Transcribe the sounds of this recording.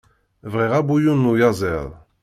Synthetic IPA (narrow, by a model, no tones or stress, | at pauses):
vʁiʁabujunːujazˤɛðˤ